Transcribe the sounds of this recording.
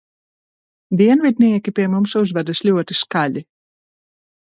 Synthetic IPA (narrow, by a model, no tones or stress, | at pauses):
d̪iɛnvid̪ʲnʲiɛkʲipʲiɛmumsuzvad̪ɨslʲuɔt̪iskaʎʲi